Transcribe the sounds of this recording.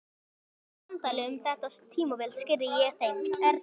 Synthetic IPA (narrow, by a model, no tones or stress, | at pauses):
nt̪ajlɪʏmθɛht̪ast̪ʰiːmuvɛlscɪɾðɪjɛɣθejmɛɾ